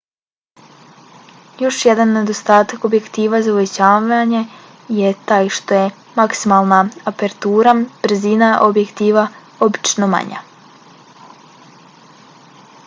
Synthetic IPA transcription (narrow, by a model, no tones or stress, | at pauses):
jo̞ʃje̞d̪anːe̞d̪ost̪aːt̪ako̞bje̞kt̪iːʋazauʋet͡ɕaːʋaɲe | je̞t̪aːjʃt̪o̞je | maksimalˠnaapeɾt̪uːɾab̥ɾ̩zinaʔobjekt̪iːʋa | o̞bi̥t͡ʃnoma̰ɲa̰